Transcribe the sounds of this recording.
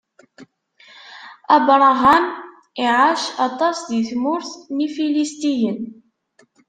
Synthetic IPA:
æbɾˤɑʁæn | iʕaʃɑt̪ˤɑsðiθmʊɾθnifilist̪ijən

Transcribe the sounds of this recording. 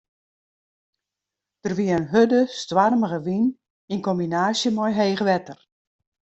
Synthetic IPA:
d̥ərʋiəənɦødəstʋarməɣəʋin | inkombinaːsjəmɔjɦeːɣəʋɛtər

